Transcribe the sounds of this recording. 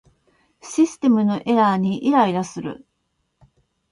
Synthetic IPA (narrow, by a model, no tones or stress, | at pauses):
ɕisɨ̥t̪e̞mɯ̟no̞ʔe̞ɾaɲ̟iʔiɾaid̪asɨɾɯ̟̰